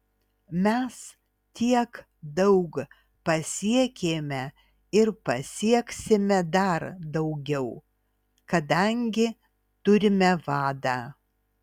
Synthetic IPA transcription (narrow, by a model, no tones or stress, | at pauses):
mʲɛs | t̪ʲiɛk | d̪ɐʊk | pɐsʲiɛkʲeːmʲɛ | ɪɾpɐsʲiɛksʲɪmʲɛd̪ɐɾd̪ɐʊɡʲɛʊ | kɐd̪ɐŋʲɡʲɪ | t̪ʊɾʲɪmʲɛʋɑːd̪ɑː